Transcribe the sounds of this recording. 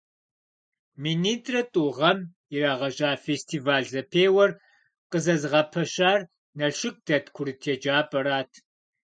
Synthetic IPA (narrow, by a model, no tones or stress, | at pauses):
miniːtʰʼrɐtʼuːʁɐm | iraːʁɐʑʼaːfeːstʰiːvaːɮzɐpʰeːwɐr | qəzɐzɨʁɐpʰɐɕaːr | nɐɕɪk̚d̥ɐtʰkʷʰʊɾɨtʰeːd͡ʒaːpʼɐɾaːtʰ